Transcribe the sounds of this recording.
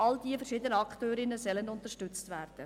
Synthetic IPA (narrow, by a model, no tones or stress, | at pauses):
ʔɑldiːəfəɾʃiːdənəɑktøːɾɪnəsœləndʊntəʃtʏt͡stʋæːrd̥ə